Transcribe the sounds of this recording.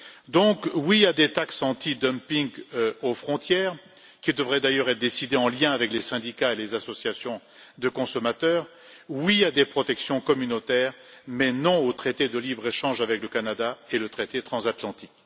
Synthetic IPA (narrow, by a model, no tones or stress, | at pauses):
d̪ɔ̃kwiad̪et̪aksɑ̃t̪id̪əmpiŋɡofχɔ̃t̪jɛːʁ | kʲid̪əvʁɛd̪ajœʁɛt̪d̪esid̪eɑ̃ljɛ̃avɛklesɛ̃d̪ikaelezasɔsjasjɔ̃ | d̪əkɔ̃sɔmat̪œːʁ | wiad̪epχɔt̪ɛksjɔ̃kɔmynot̪ɛːʁmɛnɔ̃ot̪χet̪ed̪əlibʁeʃɑ̃ʒavɛkləkanad̪aelət̪χet̪et̪χɑ̃zat̪lɑ̃t̪ik